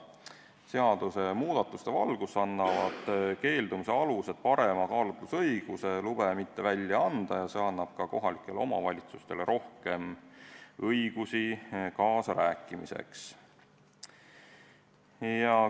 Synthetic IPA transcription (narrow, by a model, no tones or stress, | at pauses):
seɑd̪̥use̞muːd̪̥ɑt̪ˑːust̪e̞vɑlɡ̥usɑnːɑvɑd̪̥ke̞ːld̪umise̞ɑluse̞d̪̥̚pɑɾe̞mɑkɑːlut̪lusɤjɡ̥use̞lub̥emit̪ːe̞vælʲjɑɑnd̪̥ɑjɑse̞ɑnːɑb̥kɑko̞ɦɑlikːˑe̞lo̞mɑ̰vɑlʲit̪sust̪e̞leɾʔo̞hke̞m | ɤjɡ̥usikɑːsɑɾæːkːˑimḭse̞̰ks | jɑ